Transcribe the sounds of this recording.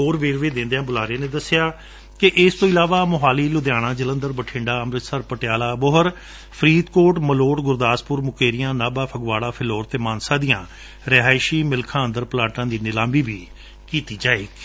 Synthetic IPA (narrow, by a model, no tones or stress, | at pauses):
oːɾʋeːɾʋeːd̪ɪ̃nd̪ejãːbʊlaːɾeːnẽːd̪əsɪjaː | kɪʔɪst̪õːɪlaːʋaːmʊɦaːliːlʊd̪jaːɽãːd͡ʒələ̃nd̪əɾbəʈʰɪ̃ɳɖaːəmɾɪt̪səɾpəʈɪjaːlaːbʊɦəɾ | pʰɾiːt̪koːʈməloːʈɡʊɾd̪aːspʊɾmʊkeːɾɪjãːnaːbaːpʰəɡʋaːɽaːpʰɪloːɾt̪eːmaːnsaːd̪ijãː | ɾeɦaːɪʃiːmɪlkʰãːənd̪əɾplaːʈãːd̪iːnɪlãːmbiːbiː | kiːt̪iːd͡ʒaːeːɡ